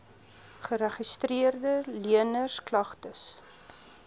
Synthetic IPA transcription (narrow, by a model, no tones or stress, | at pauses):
χəɾɛχistriərdəliənərsklɐχtəs